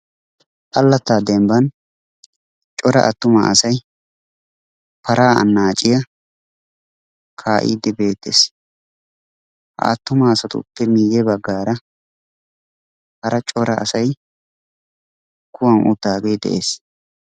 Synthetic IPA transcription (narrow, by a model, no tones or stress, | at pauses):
ʔɐlːɐt̪ːaːd̪ɛmbɐn | t͡ʃʼɔɾɐ̰ʔɐt̪ːʊma̰ɐsɐj | pɐɾʔaːɐ̰nːaːt͡ʃʼɪjɐ | kʰaːʔḭːd̪ːɛbe̞ːt̪ːeːs | hɐ̰ʔɐ̰t̪ːʊmɐːsɐt̪ʊ̰pːɛmiːjɛbɐɡːaːɾɐ | hɐɾɐt͡ʃʼɔɾɐɐ̰sɐj | kːʊwɐnʔʊ̰d̪ːaːɡejd̪ɛ̰ʔeːs